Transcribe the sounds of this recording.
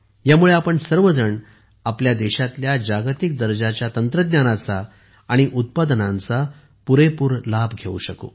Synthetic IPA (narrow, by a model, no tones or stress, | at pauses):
jamuɭeapəɳsəɾʋəd͡zəɳ | apljad̪ɛɕat̪ljad͡ʑaɡt̪ik̚d̪əɾd͡ʑat͡ɕjat̪ənt̪ɾəd̪nanat͡saː | ɽ̃iʔut̪̚pad̪ənãnt͡sa | puɾepuːɾlabʱɡʱeṵɕəko̰